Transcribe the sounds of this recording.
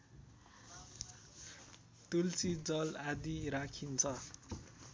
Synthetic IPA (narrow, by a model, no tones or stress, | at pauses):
t̪ult͡sid͡zʌlad̪iɾakʰint͡sʰʌ